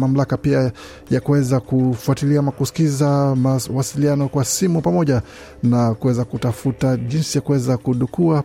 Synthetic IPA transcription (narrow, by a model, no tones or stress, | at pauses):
mam̩lakapia | jakuwɛzakufuatiliamakusi̥kizamawasilianɔkwasimupamɔʄa | nakuwɛzakutafutaʄinsijakuwɛzakuɗukua